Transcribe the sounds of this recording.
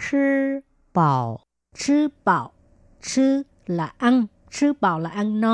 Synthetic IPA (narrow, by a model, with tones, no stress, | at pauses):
kʰɯː˧˥ | pa˨˩w | t͡ɕʰɯː˧˥˩pa˨˩w | t͡ɕʰɯː˧˥˩ | la˨˩ʔa˧ŋ | t͡ɕʰɯː˦˥˩pa˨˩wla˨˩ʔa˧˥˧ŋnɔ˧˥